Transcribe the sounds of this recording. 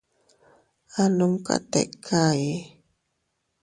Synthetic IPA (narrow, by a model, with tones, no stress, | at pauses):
a˦lu˦mka̰˦tɛ̰˨ʔkʰa˦˨je˨˦